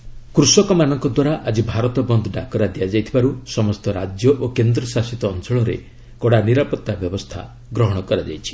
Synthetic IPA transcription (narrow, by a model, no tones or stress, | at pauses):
kɾusɔkɔmanɔŋkɔd̪waɾaʔad͡ʒibʱaɾɔt̪ɔbɔnd̪ʱɔɖakɔɾad̪iad͡ʒajt̪ʰibaɾusɔmɔst̪ɔɾad͡ʒjɔʔokend̪ɾɔsasit̪ɔːnsɔɭɔɾḛ | kɔɽaniɾapɔt̪ːabjɔbɔst̪ʰa̰ | ɡɾɔɦɔɽ̃ɔkɔɾad͡ʒa̰jt͡ʃʰi̥